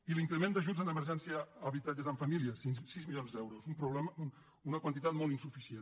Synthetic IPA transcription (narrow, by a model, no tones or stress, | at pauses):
iliŋkɾəmend̪əʒud͡zənəməɾʒɛnsiəːβit̪ad͡ʒəzəɱfəmiliəsisizmilijonzd̪ɛwɾuzumpɾuβlɛəun | unəkwənt̪it̪at̪mɔlˠt̪insufisien